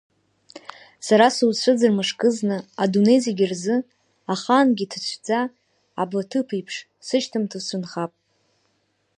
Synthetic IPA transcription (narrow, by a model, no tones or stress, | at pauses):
saɾasuwt͡ɕʷʰɨd͡zɨrmɨʂkʼɨznɨadoneziɡʲirzɨ | aχanɡʲitʰt͡ɕʷʰd͡za̰ː | blatʰɨpʰijpʰʂ | sɨʃtʰɨmtʰɨsʷʰʊnχapʼ